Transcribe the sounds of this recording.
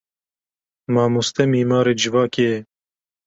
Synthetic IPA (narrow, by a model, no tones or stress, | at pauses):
mɑːmust̪ɛmiːmɑːɾeːd͡ʒɪvɑːkeɛ